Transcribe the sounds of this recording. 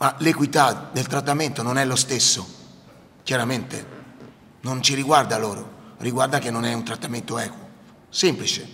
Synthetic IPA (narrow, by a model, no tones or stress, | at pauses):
malekwit̪ad̪elt̪ɾat̪ːament̪ononɛlost̪esːo | kjaɾament̪ḛ | nont͡ʃiɾiɡward̪aloːɾo̰riɡward̪ak̟enːonɛunt̪ɾat̪ːament̪oɛːkwo | semplit͡ʃe